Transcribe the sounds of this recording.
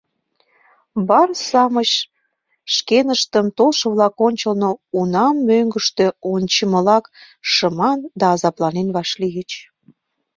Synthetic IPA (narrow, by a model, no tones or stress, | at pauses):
bɑrsɑmət͡ɕ | ʃkenəʃt̪əmt̪olʃəβlɑkonʲt͡ɕəlnounɑmːøŋɡəʃt̪øonʲt͡ɕəməlɑk | ʃəmɑnd̪ɑːzɑplɑnenβɑʃliɣət͡ɕ